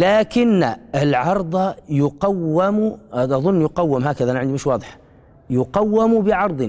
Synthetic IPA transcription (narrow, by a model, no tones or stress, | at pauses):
laːkɪnːɪlʕɑɾˤd̪ˤɑjʊqawːamuʔad̪ʔɑðˤʊnːjʊqawːɪmɦaːkaðaʔanʕɪnd̪imɪʃwɑːd̪ˤɪħḁ | jʊqawːɪmbɪʕɑɾˤd̪ˤ